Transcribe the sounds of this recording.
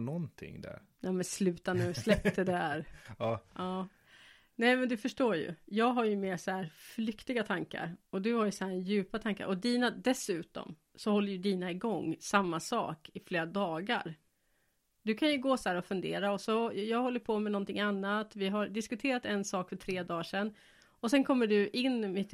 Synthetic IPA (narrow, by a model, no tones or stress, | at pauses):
nɔnt̪ʰɪ̰ŋd̪æ̰ɾ | jamɛnslʉ̟ːt̪anʉslɛpt̪əd̪ɛæɾɑːʔɑː | nɛɪmɛnd̪ɵfœʂʈoːɾjɵ̰jɑːɡɦaɾjɵmeːsɔæːɾflʏkt̪ɪɡat̪ʰaŋka̰ɾɔd̪ɵhaɾjɵsɔhæːɾjʉ̟ːpat̪ʰaŋka̰ɾʔɔd̪iːnad̪ɛsʉ̟ːt̪ɔ̰m | sɔhɔlːəɾjɵd̪iːnaɪɡɔŋːsamːasɑ̰ːkɪfleːɾad̪ɑːɡa̰ɾ | d̪ɵkʰanjɵɡoːsæːɾɔfɵnd̪ḛːɾaɔsɔjɑːɡhɔlːəɾpʰɔmɛnɔnt̪ɪŋanːat̪vɪɦaɖɪskɵt̪ʰeːɾat̪ɛnsɑːkfœʈʰɾeːd̪ɑːʂɛnː | ɔsɛnkʰɔmːəɖɵʔɪnːmɪt̪